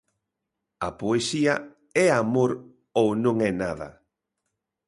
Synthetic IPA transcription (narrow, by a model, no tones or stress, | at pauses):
ɐpoesiɐ | ɛamoɾ | ownõŋɛnaðɐ̰